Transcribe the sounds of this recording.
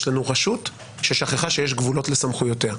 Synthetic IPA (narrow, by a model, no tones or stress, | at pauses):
ʃlanuʁaʃut | ʃeʃaχeχaʃe̞jeʃɡvulo̞tle̞samχujo̞tea